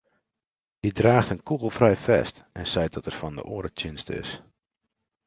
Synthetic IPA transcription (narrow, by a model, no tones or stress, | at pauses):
hidraːxtənkuɣəlˠfrɛjfɛ̰st | ɛnsɛjt̚dɔtɛrfɔndə̰ʔʊːɾətɪnstəɪ̰s